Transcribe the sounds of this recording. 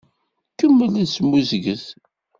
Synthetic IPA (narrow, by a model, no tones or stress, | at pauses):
kəmːəliðsəmːuzɡəθ